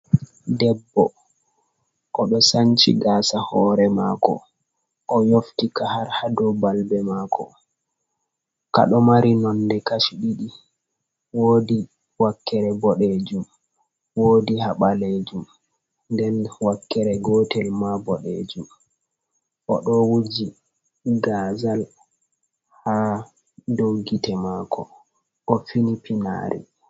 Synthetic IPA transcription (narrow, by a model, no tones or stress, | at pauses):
dɛbːɔ | ʔɔɗɔsant͡ʃḭɡaːsahɔɾɛmaːkɔ̰ | ʔɔjoftikahaɾhadɔbalbɛmaːkʰɔ̰ | ka̰ɗɔmaɾinɔndɛkaʃɗiɗi | woːdi | wakːɛɾɛbɔɗed͡ʒum | woːdiɦaɓaled͡ʒum | ndɛnwakːɛɾɛɡɔːtɛlmabɔɗḛːd͡ʒum | ʔɔɗɔwud͡ʒi | ɡazal | ha | doɡitɛmakʰɔ̰ | ʔɔfinipina̰ːɾʔḭ